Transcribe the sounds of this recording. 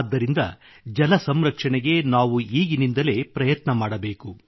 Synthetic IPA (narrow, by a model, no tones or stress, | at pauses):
d̪ːɐɾind̪ɐ̰ | d͡ʒɐlɐsɐmɾɐkʂɐɳeɡe̞naːʋuiːɡinind̪ɐle̞ːpɾɐjɐt̪nɐmaːɽɐbe̞ːku